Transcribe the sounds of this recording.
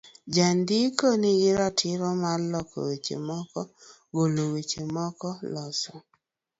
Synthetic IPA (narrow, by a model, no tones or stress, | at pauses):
d͡ʒandikoniɡɪɾatʰɪɾɔmarlɔkʰɔ̰wet͡ʃḛmɔkɔ | ɡolowet͡ʃemɔkɔlɔsɔ